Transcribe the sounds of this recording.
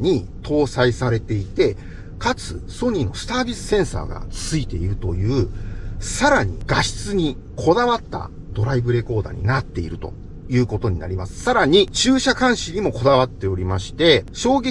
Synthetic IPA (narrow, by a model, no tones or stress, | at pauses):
ɲ̟i | t̪ʰo̞ːsaisaɾe̞t̪e̞it̪e̞ | kat͡sɨ̰so̞ɲ̟ino̞̰sɨ̥t̪aːbʲisɨ̥sẽ̞ɰ̃sa̰ːɡa̰t͡sɨit̪e̞̰iɾɯ̟t̪o̞jɯ̟ːsaɾaɲ̟ḭɡ̥aɕi̥t͡sɨɲ̟i | kʰo̞d̪aβat̪ːa̰ | d̪̥o̞ɾaibɯ̟ɾe̞ko̞ːd̪a̰ɲ̟ḭnat̪ːe̞ḭɾɯ̟t̪o̞̰ | jɯ̟ːko̞t̪o̞ɲ̟ina̰ɾʲimasɨ̥saɾaɲ̟it͡ɕɨːɕakãɰ̃ɕiɲ̟imo̞ko̞d̪aβ̞at̪ːe̞o̞ɾʲimaɕi̥t̪e̞ɕo̞ːɡe